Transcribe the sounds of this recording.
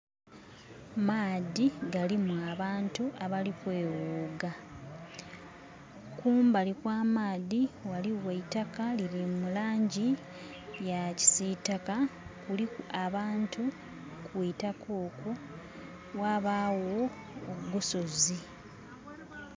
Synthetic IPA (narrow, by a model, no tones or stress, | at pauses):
maːðiɡalimuaβaːntuʔaβalikwe̞ːwuːɡa | kʰuːmbalikwaːmaːdiwaliwaitakalilimulaːɲɟi | jaci̥sitakakulikuaβaːntʰu | kwiːtakʰo̞ːko | waβawo̞ː | ɡuso̞zi